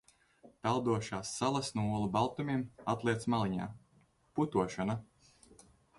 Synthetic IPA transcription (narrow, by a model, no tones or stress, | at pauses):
t̪alˠd̪uɔʃaːsːalˠasnuɔlˠubalˠt̪umʲiɛmat̪lˠiɛt̪smalˠiɲa̰ː | put̪uɔʃana